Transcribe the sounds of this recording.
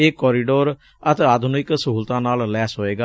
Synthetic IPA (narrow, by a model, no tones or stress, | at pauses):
eːkɔːɾiːɖoːɾ | ət̪eaːd̪ʱʊnɪksəɦuːlt̪ãːnaːllɛːsoːeːɡaː